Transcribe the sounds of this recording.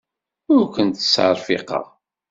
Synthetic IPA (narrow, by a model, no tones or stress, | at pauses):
ʊɾkʷənt̪ə̥sːʕɑ̰ɾˤfḭqɑ̰ʁ